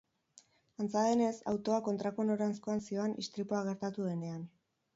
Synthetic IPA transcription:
ant͡saðe̞ne̞sa̰wt̪o̞ako̞nt̪ɾako̞no̞ɾansko̞ansio̞anʔḭst̪ɾipoaɣ̞e̞ɾt̪at̪uðe̞ne̞an

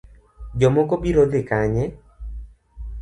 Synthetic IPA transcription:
d͡ʒɔmɔkobiɾod̪ɪkaɲɛ

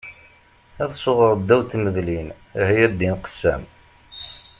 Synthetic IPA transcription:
æðsoʁəɾˤd̪ːæwt̪ːməðlin | hijæd̪inqə̥sːæ̰m

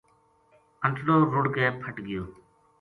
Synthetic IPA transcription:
ənʈɽoːɾʊɽkeːpʰəʈɡɪjoː

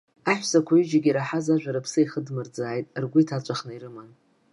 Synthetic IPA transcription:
aħʷsakʷʰayd͡ʒaɡʲiɾaħazaʒʷᶣaɾapʰsɨiχədmɨrd͡zaːjtʼrɡʷʊitʰat͡ʃʷʼaχnairɨman

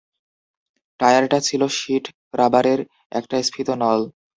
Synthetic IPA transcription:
ʈajaɾʈat͡ɕʰiloʃiʈpɾʔabaɾeɾ | ɛ̰kʈajspʰit̪onɔl

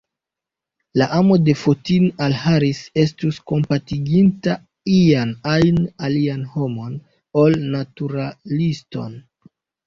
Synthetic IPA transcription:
laʔamo̞de̞fotinalhaɾise̞s̬tusko̞mpatiɡinta | ianajnalianho̞mo̞n | o̞lnatuɾalisto̞̰n

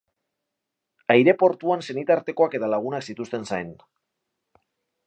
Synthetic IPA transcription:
ajɾe̞po̞ɾt̪uanse̞nit̪aɾt̪e̞ko̞ake̞t̪alaɣ̞unaksit̪ust̪e̞nsajn

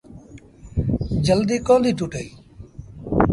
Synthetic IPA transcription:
d͡ʒəld̪iːkõːd̪ʱiːʈuːʈeiː

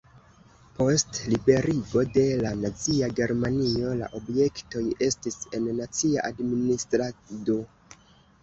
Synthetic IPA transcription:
po̞stlibe̞ɾiɡo̞de̞lanat͡siaɡe̞ɾmanio̞la̰ʔo̞bje̞kto̞je̞stise̞nːat͡siaʔadministɾado

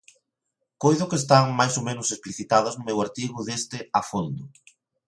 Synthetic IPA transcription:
kojðʊkeːst̪aŋmajsomẽnʊsespliθit̪aðɐznʊmewaɾt̪iɣʊðest̪ɪafond̪ʊ

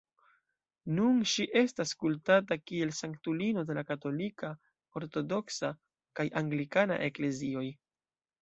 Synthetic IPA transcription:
nunʃiʔe̞staskultatakie̞lsaŋktulino̞de̞lakato̞lika | o̞ɾto̞do̞ksa | kajʔaŋɡlikana̰ʔe̞kle̞zio̞j

